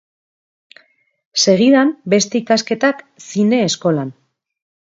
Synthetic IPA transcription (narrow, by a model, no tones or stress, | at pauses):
se̞ɣ̞iðambe̞st̪e̞ikaske̞t̪ak | sine̞ːsko̞lan